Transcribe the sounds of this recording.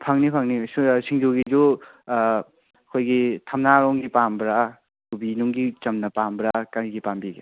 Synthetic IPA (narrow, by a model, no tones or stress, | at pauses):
pʰaŋnipʰaŋnisiŋd͡ʒuɡid͡ʒu | ɐkʰojɡitʰamnaɾɔŋɡipambɾa | kubinuŋɡit͡ʃɐmnɐpambɾakaɾiɡipambiɡa